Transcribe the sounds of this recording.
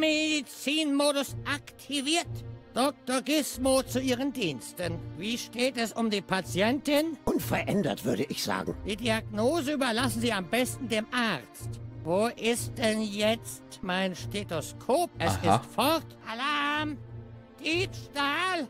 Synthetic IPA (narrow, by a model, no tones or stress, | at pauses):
meddit͡siːnmoːɾʊsʔaktʰiviːɐtd̥ɔk̚tɔɡɪsmot͡suiːʁəndiːnstənviːʃteːtɛsʊmdiːpʰat͡sjɛntɪnʔʊnfɛɐʔɛ̰ndɐ̰tv̥ʏɐɾəʔɪçz̥a̰ːɡŋ̩d̥iːdiaɡnoːzəyːbɐlasn̩ziːambɛstn̩deːmʔaʁt͡stvoːʔɪst̚d̥ɛnjɛt͡stmaɪnʃtetoskʰoːp̚ʔɛsɪstfɔʁtʔalam | d̥iːpʃtaːl